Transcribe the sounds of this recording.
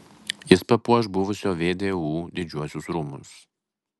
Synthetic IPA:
jɪspɐpuɔʃbʊʋʊsʲoːʋʲeːd̪ʲeːuːd̪ʲɪd͡ʒʲuɔsʲʊsɾuːmʊ̰s

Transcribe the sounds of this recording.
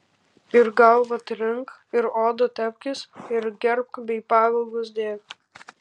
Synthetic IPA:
ɪɾɡɐʊʋɐt̪ɾʲɪŋk | ɪɾoːd̪ot̪ʲɛpʲkʲɪsɪɾɡʲɛɾp̚kbʲɛɪpɑːʋʲɐlˠɡʊs̬d̪ʲeːk

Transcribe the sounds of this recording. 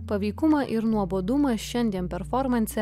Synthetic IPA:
pɐʋʲɛɪkʊmɐʔɪɾnuɔboːd̪ʊmɐsʃʲɛnʲd̪ʲiɛnpʲɛɾfɔɾmɐnʲsʲɛ

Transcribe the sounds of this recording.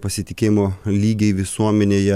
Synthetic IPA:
pɐsʲɪt̪ʲɪkʲeːjɪmoːlʲiːɡʲɛɪʋʲɪsuɔmʲɛnʲeːjɛ

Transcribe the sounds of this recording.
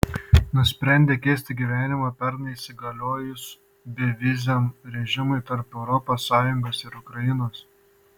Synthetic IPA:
nʊsʲpʲɾʲæˑnʲd̪ʲeːkʲeːsʲt̪ʲɪɡʲiʋʲæːnʲɪmɐpʲɛɾnɐisʲɪɡɐlʲoːjʊs | bʲɛʋʲɪzʲɛmɾʲɛʒʲɪmʊɪt̪ɐɾpɛʊɾɔpoːsːɑːjʊŋɡoːsɪɾʊkɾɐjɪnoːs

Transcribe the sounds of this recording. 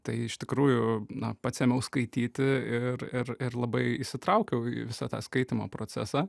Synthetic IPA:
t̪ɐɪɪʃt̪ʲɪkɾuːjʊnɐpɑːt̪sʲɛmʲɛʊskɐɪt̪ʲiːt̪ʲɪɪɾɪɾɪɾlˠɐbɐɪɪʃsʲɪt̪ɾɐʊkʲɛʊḭʋʲɪsɑt̪ɑːskɐɪt̪ʲɪmo̰ːpɾoːt͡s̪sʲæ̰sɑː

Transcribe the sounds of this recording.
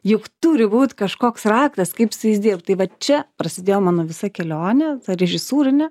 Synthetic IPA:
jʊkt̪uːɾʲɪbuːt̪ʲkɐʃkoːksrɑːkt̪ɐskɐɪpʲsʲɐɪzʲd̪ʲiːrpt̪̚ʲt̪ɐɪʋɐt͡ʃʲɛpɾɐsʲɪd̪ʲeːjoːmɑːnoːʋʲɪsɐkʲɛlʲoːnʲɛt̪ɐɾʲɛʒʲɪsuːɾʲɪnʲɛ

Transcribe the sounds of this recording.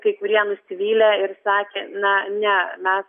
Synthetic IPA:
kɐɪkʊɾʲiɛnʊsʲɪʋʲiːlʲeːɪɾsɑːkʲeːnɐnʲɛmʲɛs

